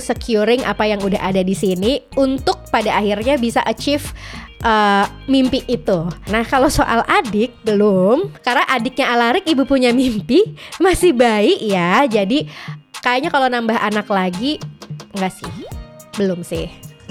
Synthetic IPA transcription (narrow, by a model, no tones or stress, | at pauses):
səkjuɾɪŋʔa̰pajaŋudaɦadadisiniunt̪ʊk̚padaːɦirɲabisaʔət͡ʃɪfʔəː | mimpɪʔːt̪unahkalosoʔa̰lʔadɪk̚bəlʊmkarnaʔadɪk̚ɲaʔalaɾɪkibupuɲamimpimasɪhbaɪkjad͡ʒadikajaʔɲakalonambaɦʔanaklaɡiŋɡaʔsɪ̰h | bəlʊmsɪ̰h